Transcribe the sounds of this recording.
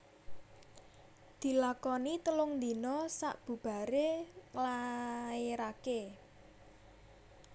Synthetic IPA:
d̪̥i̤lakɔnit̪əlʊŋnd̪i̤nɔsa̰ʔb̥ṳb̥a̤ɾeŋlaeɾake

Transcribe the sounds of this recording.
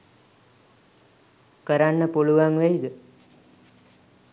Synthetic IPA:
kəɾanːəpoɭuɡaŋʋɛjid̪ə

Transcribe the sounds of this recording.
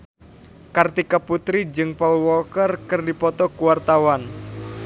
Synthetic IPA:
kart̪ikaput̪ɾid͡ʒɨŋpaulwɔkərkərdipɔt̪ɔkuwart̪awan

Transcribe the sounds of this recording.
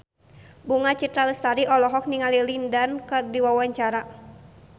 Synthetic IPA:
buŋat͡ʃit̪ɾaləst̪aɾiʔɔlɔɦɔk̚niŋalilindankɨrdiwawaɲt͡ʃaɾa

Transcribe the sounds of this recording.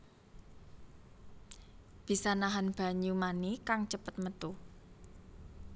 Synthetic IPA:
b̥isanaɦanb̥a̤ɲumanikaŋt͡ʃəpət̪̚mət̪uh

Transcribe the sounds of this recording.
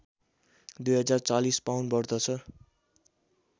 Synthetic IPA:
d̪ujɦʌd͡zart͡salispawnbʌrd̪ʌt͡sʰʌ

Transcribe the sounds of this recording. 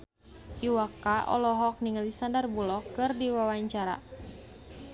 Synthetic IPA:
ʔiwakaʔɔ̰lɔɦɔk̚niŋlisandarbulɔkːɨrdiwawaɲt͡ʃaɾa̰

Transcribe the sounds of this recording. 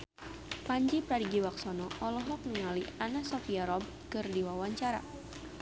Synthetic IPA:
paɲd͡ʒipɾadiɡiwaksɔnɔʔɔlɔɦlɔk̚nəŋalianasɔfiaɾɔb̚kɨrdiwawaɲt͡ʃaɾa̰

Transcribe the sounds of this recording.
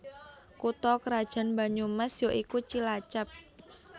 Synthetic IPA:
kut̪ɔkəɾad̥ʒ̥a̤nmba̤ɲumɛsjoʔikut͡ʃilat͡ʃap̚

